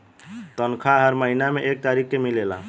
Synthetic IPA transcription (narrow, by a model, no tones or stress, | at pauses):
t̪ənkʰaɦəɾməɦinameʔek̚t̪aɾikːemilela̰